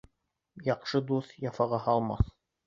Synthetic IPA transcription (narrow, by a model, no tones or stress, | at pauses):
jɑqʃɤd̪uθjɑfɑʁɑhɑlˠmɑ̰θ